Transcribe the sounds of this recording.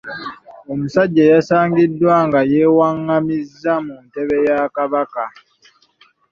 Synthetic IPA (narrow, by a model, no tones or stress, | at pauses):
o̞musaɟːajasaːŋɡidːwaŋɡaje̞ːwaŋːamizːamunte̞βe̞jakaβaka